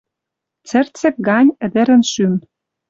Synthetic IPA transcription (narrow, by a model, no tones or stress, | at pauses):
t͡sɘ̆rt͡sɘ̆k̚ɡɑnʲɘ̆d̪ɘ̆ɾɘ̆nʃym